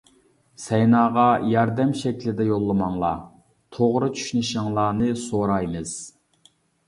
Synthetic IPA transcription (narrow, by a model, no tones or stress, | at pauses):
sɛjnɑːʁɑjɑɾd̪ɛmʃɛkʲʰlɪd̪ɛjolˠːɨmɑŋlˠɑ̰ | t̪ʰoʁɾɨt͡ʃʰy̥ʃynɪʃɪŋlˠɑːnɨsoɾɑjmɨz̥